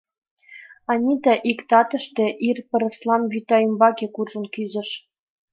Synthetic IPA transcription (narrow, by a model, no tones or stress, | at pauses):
ɑnʲit̪æʔikt̪ɑt̪ɤ̆ʃt̪ĕʔirpɤ̆ɾɤ̆slˠɑnβyt̪ɑymbɑkekurʒɤ̆nkyzɘ̆ʃ